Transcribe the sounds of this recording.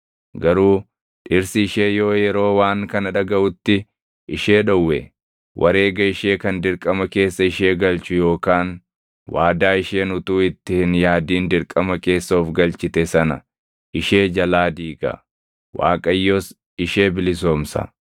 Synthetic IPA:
ɡɐɾuː | ᶑɪɾsɪɪʃe̞ːjo̞ːjɛɾo̞ːwaːŋkɐnɐᶑɐɡɐʔʊt̪ːɪ | ʔɪʃe̞ːᶑɔwːɛ̰ | wʔɐ̰ɾe̞ːɡɐɪʃeːkɐnd̪ɪɾkʼɐmɐke̞ːsːɐɪʃe̞ːɡɐlt͡ʃʊjo̞ːkaːn | waːd̪aːɪʃe̞ːnʊt̪uːɪt̪ːɪhɪnjaːd̪iːnd̪ɪɾkʼɐmɐke̞ːsːoːfɡɐlt͡ʃɪt̪ɛsɐnɐ̰ | ʔɪʃe̞ːd͡ʒɐlaːd̪iːɡɐ̰ | wa̰ːkʼɐjːoːs | ɪʃe̞ːbɪlɪs̬oːmsɐ̰

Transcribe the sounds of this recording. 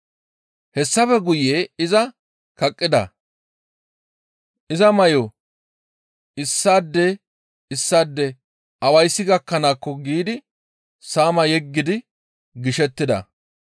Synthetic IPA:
hɛsːɐfɛɡʊjeɪzɐ | kɐkʼːɪd̪ɐ̰ | ʔɪzɐmɐjo | ɪsːaːd̪ːɛ | ɪsːaːd̪ːɛ | ɐwɐjsːɪɡɐkːɐnaːkːɔɡiːd̪ɪ | saːmɐjɛɡːɪd̪ɪ | ɡɪʃɛt̪ːɪd̪ɐ̰

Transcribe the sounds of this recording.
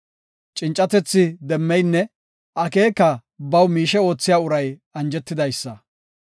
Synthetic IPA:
t͡ʃʼɪnt͡ʃʼɐt̪ɛt͡sːɪd̪ɛmːɛjnːɛ | ʔɐke̞ːkːɐbɐwmiːʃɛo̞ːt͡sːɪjaːʊɾɐjɐnd͡ʒɛt̪ːɪd̪ɐjsːɐ

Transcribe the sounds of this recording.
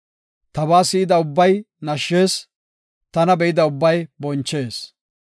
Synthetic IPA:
t̪ɐβaːsɪɪd̪ɐʊbːɐj | nɐʃːe̞ːs | t̪ɐnɐbɛʔɪd̪ɐʊbːɐjbɔnt͡ʃːe̞ːs

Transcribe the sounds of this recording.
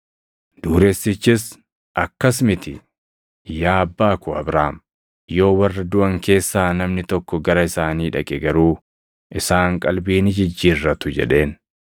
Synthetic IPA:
d̪̥uːɾesːɪt͡ʃːɪs | ʔɐkːɐsmɪt̪ɪ̰ | jaːbːaːkʊɐ̰bɾaːm | jo̞ːwɐrːɐd̪ʊʔɐŋke̞ːsːaːnɐmnɪt̪ɔkːɔɡɐɾɐɪsaːniːᶑɐkʼɛɡɐɾuː | ʔɪsaːŋkʼɐlbiːnɪd͡ʒɪd͡ʒːiːrːɐt̪ʊd͡ʒɛ̰ᶑe̞ːn

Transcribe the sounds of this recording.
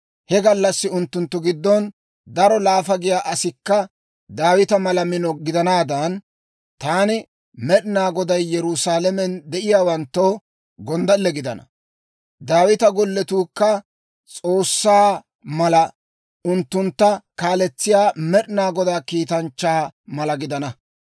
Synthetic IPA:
hɛɡɐlːɐsːɪʊnt̪ːʊnt̪ːʊɡɪd̪ːɔn | d̪ɐɾɔlaːfɐɡɪjaːʔɐsɪkːɐ | d̪aːwɪt̪ɐmɐlɐmɪnɔɡɪd̪ɐnaːd̪ɐn | t̪aːnɪ | mɛɗnaːɡɔd̪ɐjːɛɾʊsaːlɛmɛnd̪ɛʔɪjaːwɐnt̪ːo | ɡɔnd̪ɐlːɛɡɪd̪ɐnɐ̰ | d̪aːwɪt̪ɐɡɔlːɛt̪uːkːɐ | t͡sʼo̞ːsːaː | mɐlɐ | ʔʊnt̪ːʊnt̪ːɐkaːlɛt͡sːɪjaːmɛɗnaːɡɔd̪aːkiːt̪ɐnt͡ʃːaːmɐlɐɡɪd̪ɐnɐ

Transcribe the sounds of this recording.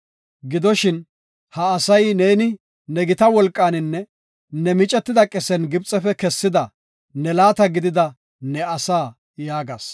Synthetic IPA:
ɡɪd̪ɔʃɪn | hɐːsɐjneːnɪ | nɛɡɪt̪ɐwɔlkʼːaːnɪnːɛ | nɛmɪt͡ʃʼɛt̪ːɪd̪ɐkʼɛsɛnɡɪbt͡sʼːɛfɛkɛsːɪd̪ɐ | nɛlaːt̪ɐɡɪd̪ɪd̪ɐ | nɛɐsaː | jaːɡa̰ːs

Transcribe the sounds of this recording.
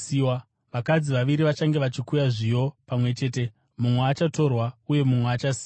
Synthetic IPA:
a | ʋakad͡ziʋaʋiɾiʋat͡ʃaŋɡe̞ʋat͡ʃikujaʐijo̞pamwe̞t͡ʃe̞ːte̞ | mumweat͡ʃato̞rwauje̞mumweːt͡ʃasi̥ː

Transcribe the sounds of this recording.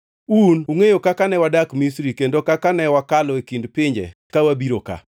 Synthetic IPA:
unuŋejokakanɛwadakmisɾikendokakanɛwakalɔekindpɪɲd͡ʒḛkawabiɾoka̰

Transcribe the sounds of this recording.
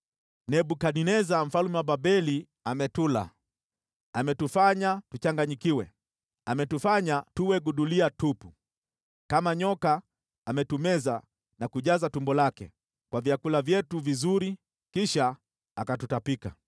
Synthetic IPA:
nɛɓukaninɛzam̩falumɛwaɓabɛli | amɛtula̰ | amɛtufaɲatut͡ʃaŋɡaɲikiwɛ̰ | amɛtufaɲatuwɛɡuɗuliatupu | kamaɲɔkaː | mɛtumɛza | nakuʄazatumbɔlakɛ̰ | kwavjakulavjɛtuvizuɾi | kiʃa | akatutapika

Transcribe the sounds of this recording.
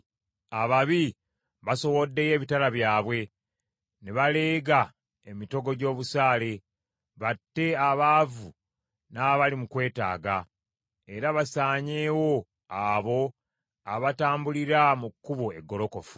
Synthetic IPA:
aβaβi | βaso̞wo̞dːe̞je̞ːβitalaβjaːβwe̞ | neβale̞ːɡa | e̞mito̞ɡo̞ɟo̞ːβusaːle̞ | βatːe̞aβaːvu | naβalimukwe̞ːta̰ːɡa | e̞ɾaβasaːɲeːwo̞ | aβo̞ | aβataːmbuliɾamukːuβoe̞ɡːo̞lo̞ko̞fu̥

